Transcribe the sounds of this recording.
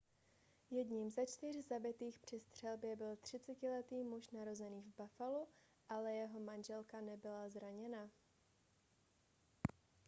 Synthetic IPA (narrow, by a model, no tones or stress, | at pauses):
jɛdɲimzat͡ʃt̪ɪrzabɪt̪iːxpr̝̥ɪst̪r̥ɛlbjɛbɪlt̪r̝̥ɪt͡sɛcɪlɛt̪iːmuʃnaɾo̞zɛniːvbafalu | ʔalɛjɛɦo̞manʒɛlkanɛbɪlazɾaɲɛna